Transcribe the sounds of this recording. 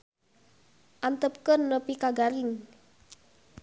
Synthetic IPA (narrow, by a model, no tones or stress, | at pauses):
ʔant̪əp̚kənːəpikaɡaɾɪŋ